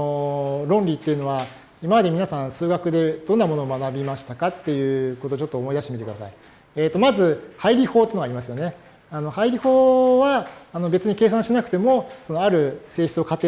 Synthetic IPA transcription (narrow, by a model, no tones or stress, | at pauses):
oɾõ̞nɾʲit̪ːe̞iɯ̟no̞βa | imamad̪e̞mʲinasãñsɨːɡakɯ̟d̪e̞d̪õ̞nːamo̞noːmanabʲimaɕi̥t̪akat̪ːe̞jɯ̟ːkot̪oːt͡ɕo̞t̪ːoːmo̞id̪aɕit̪emit̪ekɯd̪a̰sa̰i | eːt̪ːo̞mazɨhaiɾʲiho̞ːt̪einoaɾʲimasɨjo̞ne̞ | ano̞haiɾʲiho̞ːβaːno̞be̞t͡sɨɲ̟ike̞ːs̬ãɰ̃ɕinakɯ̟t̪e̞mo̞so̞noaɾɯ̟se̞ːɕi̥t͡sɨo̞kat̪ːe